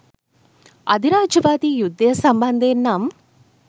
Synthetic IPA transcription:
ɐd̪iɾaːd͡ʒɐʋaːt̪ijud̪ːɐjɐsɐmbɐnd̪eːnːɐm

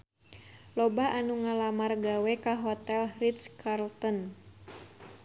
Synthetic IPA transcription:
lɔbaʔanuŋalamarɡawɛkaɦɔt̪ɛlhrit̪skarlt̪ɔn

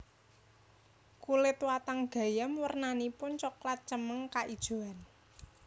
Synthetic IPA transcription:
kulɪt̪wat̪aŋɡ̥ä̤jəmwərnanipʊnt͡ʃɔklat̪̚t͡ʃəməŋkaʔid̥ʒ̥o̤an

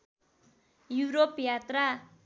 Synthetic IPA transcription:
juɾopjat̪ra

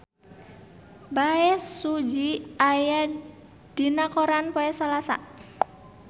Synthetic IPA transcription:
baɛsud͡ʒiaja | d̥inakoɾanpoɛsalasa̰

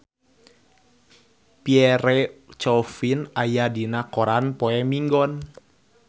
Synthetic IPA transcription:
piɛɾɛt͡ʃɔfinajadinakɔɾanpɔɛmiŋɡɔn

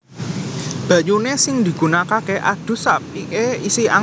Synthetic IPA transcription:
b̥ä̤ʔɲunesɪŋd̪i̤ɡ̥ṳnakakeʔa̰d̪̥ṳsapikeisia

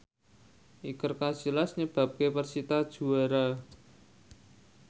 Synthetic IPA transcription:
ʔikərkasilasɲəb̥a̤p̚kepərsit̪ad̥ʒ̥ṳaɾa

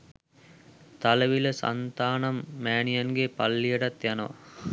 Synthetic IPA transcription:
t̪aləʋiləsa̰nt̪aːnamːæːɳijanɡepalːijəʈat̪janəʋa̰

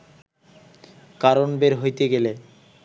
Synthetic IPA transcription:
kaɾonbeɾɦojt̪eɡele

